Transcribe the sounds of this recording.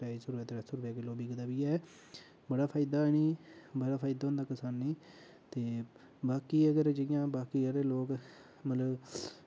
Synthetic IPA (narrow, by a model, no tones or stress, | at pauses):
pɛːisʊɾɛːt̪ːɾɛsʊɾʋɛːkeloːbiːɡəd̪aːbiːɛː | bəɽaːpʰaːɪd̪aːniːbəɽaːpʰaːɪd̪aːɦʊ̃nd̪aːkəsaːnːĩː | t̪eː | baːkiːəɡəɾd͡ʒɪɪjãːbaːkiːəɾeloːk | mət̪ləb